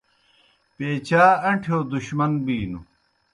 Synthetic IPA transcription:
peːt͡ɕaːɐɳʈʰjoːd̪uɕmɐnbiːnṵ

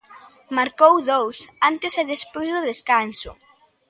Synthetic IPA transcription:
maɾkowðowsant̪ɪsɛðespojzðʊðeskansʊ̰

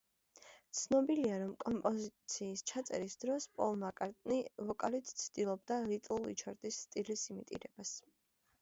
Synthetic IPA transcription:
t̪sʰnɔbiliaɾɔmkʼɔmpʼɔzit̪sʰiːst͡ʃʰat̪sʼɛ̰ɾisd̪ɾɔspʼɔlˠmakʼaɾt̪ʼnivɔkʼalit̪ʰt̪sʰd̪̥ilˠɔbd̪aɾit̪ʼulˠḭt͡ʃʰɔɾt̪ʼisːt̪ʼilisimit̪ʼḭɾɛbas

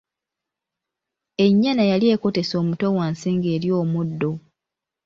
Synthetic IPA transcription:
e̞ɲːanajalje̞ːko̞te̞so̞ːmuto̞waːnsiːŋɡeːɾjo̞ːmudːo̞

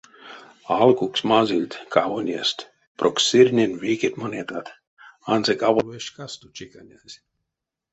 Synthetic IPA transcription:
alkuksʲmazʲilʲt̪ʲkavonʲiɛ̰st̪ʲ | pɾokssiɾʲnʲɛnʲviːkʲet̪monʲit̪at̪ | anzɛkʼavɔvɛʃkast̪ut͡ʃikanʲazʲ

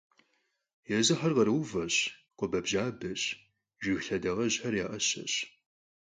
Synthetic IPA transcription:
jɛzɨħɐrʁɐɾɨwvɐɕqʷɔbɐbʑaːbɐɕ | ʒɪɣɬɐdɐʁɐʑħɐrjaːʔɐɕɐ̰ɕ

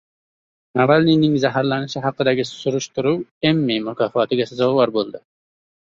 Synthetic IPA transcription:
nɑvælninɪŋzæɦæɾlˠɑnɪʃɪɦɑqːəd̪æɡʲɪsuɾuʃt̪uɾuwemːimʊkʰɑːfɑːt̪ʰɪɡʲɛsɨzɑwwɑɾbolˠd̪ɨ

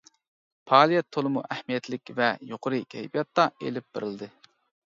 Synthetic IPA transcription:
pʰɑːlˠijɛt̪ʰːolˠɨmuʔɛhmijɛt̪lɪkʲvɛjoqʰʊɾɨkʲʰɛjbijɑt̪ːɑḛlɪp̚b̥ɪ̰ɾɪld̪ɨ

